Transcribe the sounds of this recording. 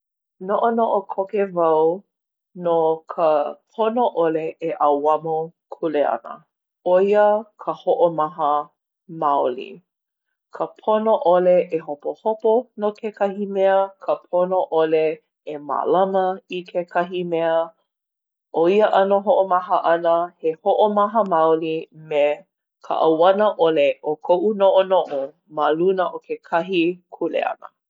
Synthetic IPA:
noʔonoʔokʰokevɐw | nokʰəpʰonoʔoleeʔɐwɐmokʰuleɐ̰nə̰ | oiəkʰəhoʔomɐɦə | maolḭ | kʰəpʰonoʔoleʔeɦopohoponokʰekʰɐhimɛəkʰəpʰonoʔole | ema̰lɐməikʰekʰɐɦimɛə | ʔoiəʔɐnoɦoʔomɐɦəʔɐnəhehoʔomɐɦəmawlime | kʰə̰ʔɐwɐnəʔoleʔokʰoʔunoʔonoʔo | malunəʔokʰekʰɐɦikʰulḛɐ̰nə̰

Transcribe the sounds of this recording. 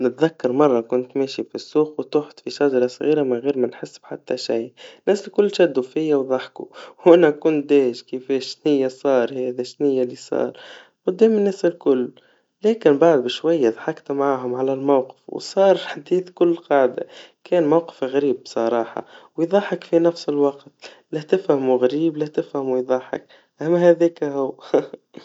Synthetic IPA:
nɪt̪ðakːɑɾˤmɑrˤːɑkʊnt̪meːʃifisːuːqwt̪ʊħt̪fiʃæʒɑɾˤɑsˤɣiːɾamɪɣiːɾmænħɪsːb̥ħat̪ːæʃajnːæːsɪlkʊlːʃæd̪ːufɪjːawðˤɑħkuwʔænækʊnt̪̚d̪ɛːʃkəfɛːʃʃnɪjːasˤɑːɾˤhɛːðiʃnɪjːalisˤɑ̰ːɾˤ | qʊd̪ːɛːmɪnːæsɪlkʊlː | lɛːkɪnbaʕd̪̚bɪʃwæjːaðˤħɑkt̪mʕaːɦʊmʕalælmawqɪ̥fwsˤɑːɾˤħad̪iːθkʊlːqɑːʕd̪a̰kʰɛːnmawqɪ̥fɣaɾiːbbsˤɑɾˤɑːħɑ̰wjðˤɑħɑkfinæfsɪlwɑqt̪ | lɪht̪ɪfhæmuɣaɾiːblɪht̪ɪfhæmujðˤɑħɪ̰k | ʔæmːæhæðɛːkɦʊwː

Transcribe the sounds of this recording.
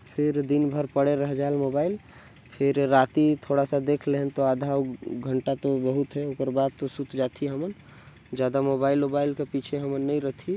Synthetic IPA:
pʰeɾd̪inbʱəɾpəɽeɾəɦd͡ʒaelmobail | pʰeɾːat̪it̪ʰoɽasəd̪ekʰleɦənt̪oad̪ʱawɡʱəɳʈat̪obəɦut̪ɦɛokəɾbad̪̚t̪osut̪d͡ʒat̪ʰiɦəmən | d͡ʒad̪amobailmobailkepit͡ʃʰeɦəmənːəjɾət̪ʰi

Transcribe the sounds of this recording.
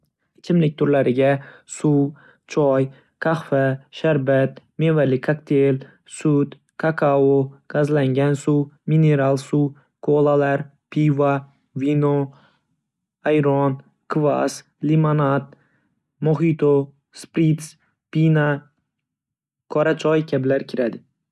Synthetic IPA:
t͡ʃʰɪmlɪk̚ʲt̪ʰʊɾlaɾɪɡʲasuw | t͡ʃʰɒj | kʰahfaʃaɾbat̪ | mevalɪkʰakt̪ʰel | sʊt̪ | kʰakʰaoɡ̥azlaŋɡʲansumine̞ɾalˠsu | kʰolˠalaɾ | pʰiva | vino | ajɾɔn | kʰva̰s | limanat̪̚ | moɦit̪ʰo | spɾit̪s | pina | kʰɒɾat͡ʃʰɒjkʲʰablaɾkʲʰɪɾad̪ɪ

